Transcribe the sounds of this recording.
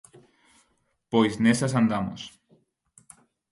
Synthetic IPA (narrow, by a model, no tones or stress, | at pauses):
pojznesas̬and̪amo̰s